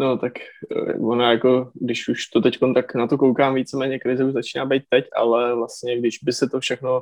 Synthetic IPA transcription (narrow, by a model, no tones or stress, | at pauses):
not̪akvonajako̞ɡdɪʃuʃt̪ot̪ɛcko̞nt̪aknat̪o̞kowkaːmviːt͡sɛmɛːɲɛkɾɪzɛuʒzat͡ʃiːnaːbɛjt̪̚ːɛcʔa̰lɛvlast̪ɲɛɡdɪʒbɪsɛt̪ofʃɛxno̞